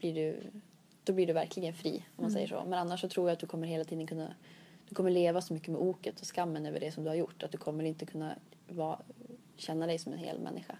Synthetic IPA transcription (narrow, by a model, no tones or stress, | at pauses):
b̥liɖɵ | d̪̥ɔblɪɖɵvæɾkʰlɪɡənfɾḭːɔmːansɛjːə̰ʂɔ̰ːmɛnanːaʂːɔt̪ʰɾuːɾjaat̪̚d̪ɵkʰɔmːəɾɦeːlat̪ʰiːd̪ənkʰɵnːa̰d̪̥ɵkʰɔmːəɭeːvasɔmʏkːəmɛʔuːkət̪ʰɔskamːənøːvə̰ɖɛsɔmd̪ɵhaɾjʊʈːat̪̚d̪ɵkʰɔmːɛɾɪnt̪əkʰɵnːa̰vɑː | ɕɛnːad̪ɛjsɔmɛ̰nɦḛːlmɛ̰nːɪɧa̰